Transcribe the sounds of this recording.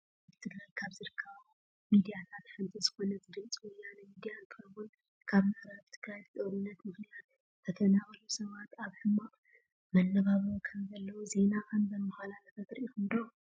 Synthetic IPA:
bɨt̪ʰɨɡɾajkʰaβzɨɾɨkʰːɐβ | mid̪ijanʰat̪ħɨnt̪ʰʼizɨxo̞nɐzɨd̪ɨlt͡sʼwɔjanɐmid̪ijant̪ʰɐβun | kʰaβmɨʔɾaβt̪ʰɨɡɾajtɨt̪ʼɐɾɨnːɐt̪mɨxnijat̪ | t̪ʰɐk̪ʰɐnaβɐlusɐβat̪aβħɨmaʔʼ | mɐnːɐβaβɐkʰɐmzɐlːɐwoze̞naʔɐnbɐnmɨxalanɐfʰɐt̪ɾʔixɨnd̪o

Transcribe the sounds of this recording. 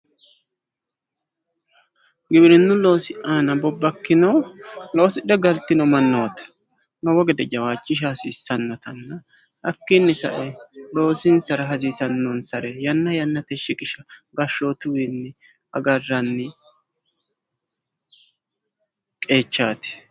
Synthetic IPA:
ɡɪbɾɪnːʊlo̞ːsɪʔaːnɐbɔbːɐkːɪnɐwlo̞ːsɪᶑ̪ɛɡɐlt̪ːɪnɔmɐnːoːt̪ɐ̥ | nɔwɔɡɛd̪ɛd͡ʒɐwaːt͡ʃʼːɪʃ̬aːsɪːsːɐnːɔt̪ɐnːɐ | ɐkːɪnːɪsɐ̰ʔɛlo̞ːsɪnsɐɾɐɦɐziːsɐnːɔnsɐɾɛjɐnːɐjɐnːɐt̪ɛʃːɪkʼɪʃɐɡɐʃːoːt̪ʊwɪnːɪ | ɐ̰ɡɐrːɐnːɪ | kʼe̞ːt͡ʃːaːt̪ɪ̥

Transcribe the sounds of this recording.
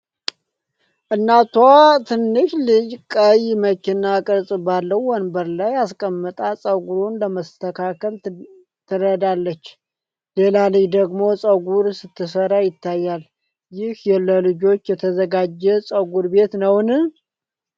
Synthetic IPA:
ʔɨnːat̪ʰwat̪ʰɨnːɨʃlɨd͡ʒkʼəjməkinakʼɨɾsʼbalːəwːɔnbəɾlajaskʼəmːɨt̪ʼasʼəɡuɾunləməst̪ʰəkʰakʰəl | t̪ʰɨɾəd̪alːət͡ʃː | le̞lalɨjd̪əɡmo̞sʼəɡuɾsɨt̪ʰːɨsəɾajɪt̪ːajːal | jɪhjɛlːəlɨd͡ʒo̞t͡ʃːjɛt̪ʰəzəɡad͡ʒːɛsʼəɡuɾbe̞t̪nəwnɨ

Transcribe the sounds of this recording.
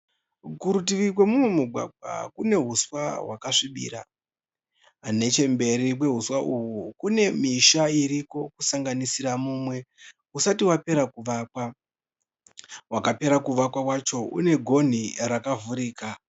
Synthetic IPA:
kuɾutiʋikwemumwemuɡʱwa̰ɡ͡bʱa̰kune̞ɦuswaɦwakaʂiɓḭːɾa̰ | ane̞t͡ʃe̞mbe̞ɾikwe̞ɦuswaʔuwukune̞miʃaiɾiko̞kusaŋɡanisiramuːmwe̞ | usatiwape̞ɾakuʋaːkwa | wakape̞ɾakuʋakwakwat͡ʃo̞ṵne̞ɡʱo̞n̤irakavuɾiːka

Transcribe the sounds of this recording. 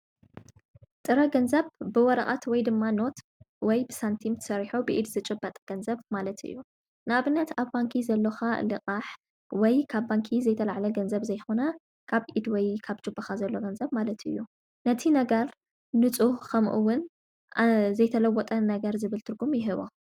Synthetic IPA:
t̪ʼɨɾɐɡɐnzɐβbɨwɔɾɐ̰χʼa̰t̪wɔjd̪ɨmːano̞t̪ | wɔjbɨsant̪ʰimt̪ʰɨ̥sɐɾħubɨʔid̪zɨt͡ʃʼɨbːɐt̪ʼɡ̥ɐnzɐβmalɐt̪ɨ̰jːu | nɨaβɨnːɐt̪ʰaβbaŋkʰizɐlːɐxalɨkʼaħ | wɔjkʰaβːaŋkʰizɐjt̪ʰɐlaʕlɐɡɐnzɐβzɐjxonɐ | kʰaβʔid̪wɔjkʰaβt͡ʃʼɨbːɐxazɐlːo̞ɡɐnzɐβmalɐt̪ʰɨ̰jːu | nɐt̪ʰinɐɡɐɾ | nɨt͡sʼuhkʰɐmʔuwːʊn | zɐjt̪ʰɐlɐwːɔt̪ʼɐnɐɡɐɾzɨβɨlt̪ʰɨɾɡumjɪɦɨβo̰

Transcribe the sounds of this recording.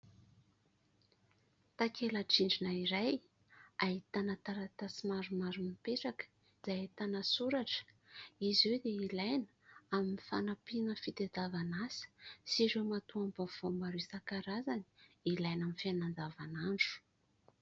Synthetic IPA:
t̪akelaʈ͡ʂiɳɖ͡ʐinaiɾaj | ait̪anat̪aɾat̪asimaɾumaɾumipeʈ͡ʂakə̥ | z̥ait̪anasuɾaʈ͡ʂə̥ | izewd̪eilajnəaminifanapinəfit̪ed̪avanasə̥siɾewmat̪uambav̥ombaɾisakaɾazaniilajnamifanand͡zavanaɳɖ͡ʐu̥

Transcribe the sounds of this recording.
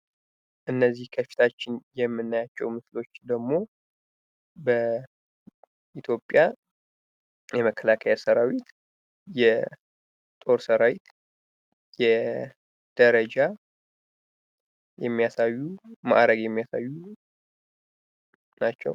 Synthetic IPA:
ʔɨnːəzːihkʰəfi̥t̪ʰat͡ʃːɪnjɛmːɨnːajat͡ʃːɛwmɨslo̞t͡ʃːd̪əɡmo̞ | bə | ʔit̪ʰjo̞pʼːja | jɛməkʰːəlakʰəjasəɾawit̪ | jɛ | t̪ʼo̞ɾsəɾawit̪ | jɛ | d̪̥əɾəd͡ʒa | jɛmːijasajːuma̰ʔɾəɡjɛmːijasajːu | nat͡ʃːɛ̰w

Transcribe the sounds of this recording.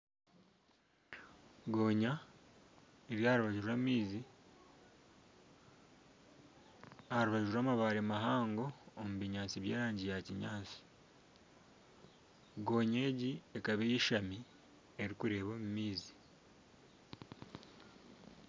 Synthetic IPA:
ɡo̞ːɲa | eβjaːɾuβaʒiɾamiːzi | haɾuβaʒuɾuɾaːmaβaɾemaɦaːŋɡo̞ːmuβiɲaːt͡siβje̞ːɾaːɲɟijaciɲaːt͡si̥ | ɡo̞ːɲe̞ːɟiekaβejiʃami | eɾikuɾe̞ːβomumiːzi̥

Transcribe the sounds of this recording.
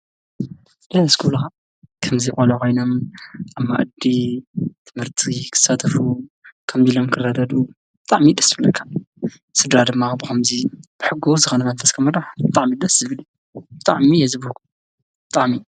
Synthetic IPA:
d̪ɐnɐskʰulxa | kʰɐmzixʷʼolɐko̞jno̞mʔamːa̰ʔd̪it̪ʰɨmhɨɾt̪ʰikʰɨ̥sat̪ʰɐfu | kʰɐmzilomkʰɨrad̪ɐd̪u | b̥ɨt̪ʼaʕmid̪ɐsɨbɨlːɐkʰːa | sɨd̪ɾad̪ɨmːabɨxɐmzib̥ɨħɨɡːzɨxonɐmɐnfɐskʰɐmɐd̪aħbɨt̪ʼaʕmid̪ɐszɨβɨlu | bɨt̪ʼaʕmijɛzɨβk | b̥ɨt̪ʼaʕmi

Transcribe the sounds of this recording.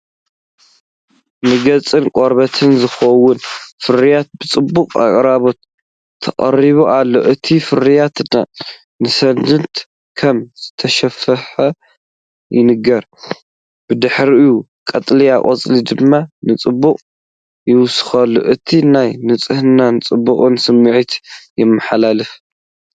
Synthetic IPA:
nɨɡɐt͡sʼɨnkʼoɾβɐt̪ʰɨnzɨxɐwːʊnfɨɾijat̪̚bɨt͡sʼɨbːukʼa̰kʼɾaβo̞t̪ʰː | ɐχʼɐ̰riβuʔalːo̞̰ʔɨt̪ʰifɨɾijat̪na | nɨsɐnd̪ɨnt̪ | kʰɐmz̥ɨt̪ʰɐʃɐfɐħɐ | jɪnɨɡɐɾ | b̥ɨd̪ɨħɾiɨju | kʼɐt̪ʼliakʼɐt͡sʼlid̪ɨmːanɨt͡sʼɨbːuqʼ | jɪwsɨ̥xɐlːo̰ʔɨt̪ʰinajnɨt͡sʼɨhɨnanɨt͡sʼɨbːuχʼɨnsɨmːɨʕit̪jɛmːɨħalalɨf

